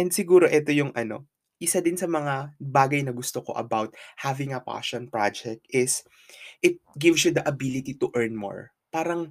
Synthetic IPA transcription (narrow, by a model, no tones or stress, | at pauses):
ʔɛnd̪sɪɡuːɾo̞ʔɛt̪o̞jʊŋʔɐno̞̰ | ʔɪsad̪ɪnsɐmɐŋabaːɡɐjnɐɡʊst̪oko̞̰ʔɐ̰bawt̪̚havɪ̃ŋɐpa̰ʃɔ̃npɹad͡ʒɛk̚t̪̚ʔɪs | ʔɪt̪̚ɡɪvs̬jud̪ɐʔɐbilɪt̪it̪ʊʔɛɹnmo̰ɹ | paːɾɐŋ